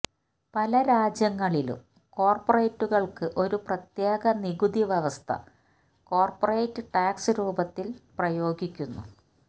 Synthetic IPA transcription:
pɐlɐɾaːd͡ʑjɐŋːɐɭilṵm | ko̞ːrporejtːuɣɐɭkɨʔo̞ɾuprɐt̪jeːɡɐniɡud̪iʋeʋɐst̪ʰɐ̰ | ko̞ːrporejtːɨʈaːksɨɾuːbɐt̪ːilprɐjo̞ːɡikʲːunːṵ

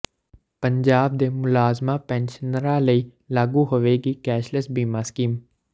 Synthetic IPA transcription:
pəɲd͡ʒaːb̚d̪eːmʊlaːzmaːpɛ̃ːnʃənɾãːləiː | laːɡuːɦoʋeːɡiːkɛːʃləsbiːmaːskiːm

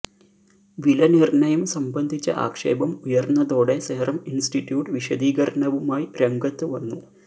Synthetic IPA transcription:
ʋilɐnirɳɐjɐmsɐmbɐnd̪ʱit͡ɕːɐ̰ʔa̰ːkʂḛːbɐmujɐrnːɐðo̞ːɽe̞seːrɐminsʈiʈjuːʈɨʋiʂɐd̪iːɡɐɾɐɳɐʋumaːjiɾeŋɡɐt̪ːɨʋɐnːu

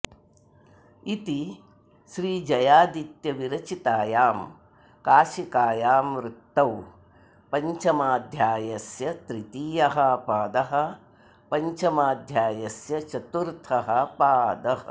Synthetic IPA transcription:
it̪i | ʃɾiːd͡ʒɐjaːd̪it̪jɐʋiɾɐt͡ʃit̪aːjaːm | kaːʃikaːjaːmɾut̪ːɐw | pɐɲt͡ʃɐmaːd̪ʱjaːjɐsjɐt̪ɾit̪iːjɐɦɐpaːd̪ɐɦɐ̆ | pɐɲt͡ʃɐmaːd̪ʱjaːjɐsjɐt͡ʃɐt̪uɾt̪ʰɐɦɐ̆paːd̪ɐɦɐ

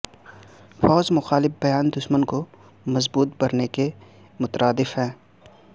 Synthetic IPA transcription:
fɔːzmʊxaːlɪfbɐjaːnd̪ʊʃmənko | mɐzbuːt̪̚bɐɾneke | mʊt̪ɾʔaːd̪ɪfɦɛ̃ː

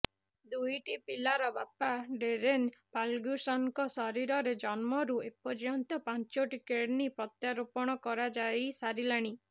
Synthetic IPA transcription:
d̪ujʈipilaɾɔbapaɖeɾenpalɡjusɔnkɔsɔɾiɾɔɾed͡ʒɔnmɔɾuepɔɾjɔnt̪ɔpant͡ʃɔʈikeʈnipɔt̪jaɾopɔɽ̃ɔkɔɾad͡ʒaisaɾilaɽ̃i

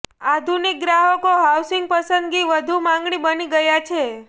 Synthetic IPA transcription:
ad̪ʱunik̚ɡɾaɦəkoɦawsɪŋɡ̚pəsənd̪ɡiʋəd̪ʱumãŋɡɳibəniɡəjat͡ʃʰe

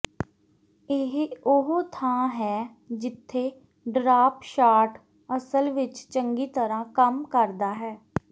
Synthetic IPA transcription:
ɪɦʊɦoːt̪ʰãːɦɛː | d͡ʒɪt̪ʰːeː | ɖɾaːpʃaːʈ | əsəlʋɪt͡ʃt͡ʃəŋɡiːt̪əɾãːkəmkəɾd̪aːɦɛː

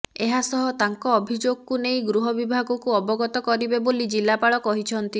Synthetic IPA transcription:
eɦasɔɦɔt̪aŋkɔːbʱid͡ʒoɡɔkunej̃ɡɾuɦɔbibʱaɡɔkuɔbɔɡɔt̪ɔkɔɾibebolid͡ʒilapaɭɔkɔɦit͡ʃʰɔnt̪i

